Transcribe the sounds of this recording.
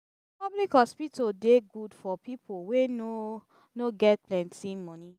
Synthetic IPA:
pɔblikɔspitʰodeɡudfɔpipʰoweno | noɡɛt̚plɛ̃ntĩmɔ̃nĩ

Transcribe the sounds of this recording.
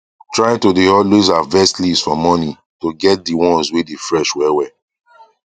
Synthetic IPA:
tɹaj̃todeɔlwezavɛstlisfɔmɔni | toɡɛt̚diwɔ̃nswedefɹɛʃwɛwɛ

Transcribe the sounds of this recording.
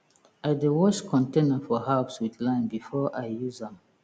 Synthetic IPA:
aɪdewɔt͡ʃkʰɔ̃ntẽnafɔɦapswidlãɪ̃nbifɔʔajjuzãm

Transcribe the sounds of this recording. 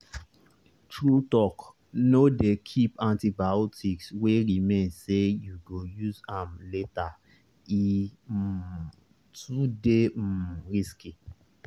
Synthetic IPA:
tʰɹutɔk | nodekʰipãntibaotʰiksweɾimẽnsejuɡojuzãmleta | i | tʰudeɾiski

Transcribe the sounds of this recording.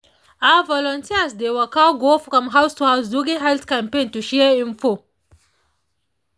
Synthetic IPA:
avɔlɔntʰiasdewakaɡɔfkamɦawstuhawzduɡiɦɛlt̪kampentuʃɛaiɱfo

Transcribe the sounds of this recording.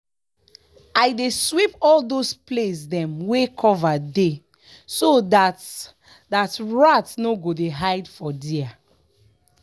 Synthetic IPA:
ajdeswipɔldosplesdɛ̃mwekʰɔvade | sodat | datɹatnoɡodeɦaɪdfɔdia

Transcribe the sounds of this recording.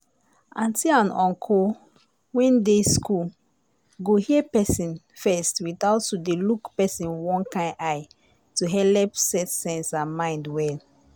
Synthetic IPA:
ãntiãnɔ̃ŋkʰo | wĩndeskʰul | ɡohiəpɛsĩn | fɛstwiθaʊtːudelukpɛsĩnwɔ̃nkãɪ̃aɪ | tuɦɛlɛpsɛtsɛ̃nsãnmãɪ̃ndwɛl

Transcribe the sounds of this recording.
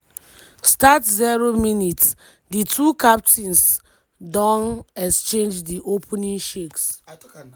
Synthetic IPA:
statzɛɹominits | ditʰukap̚tʰĩns | dɔ̃nɛkst͡ʃẽnd͡ʒdiʔopʰnĩŋʃeks

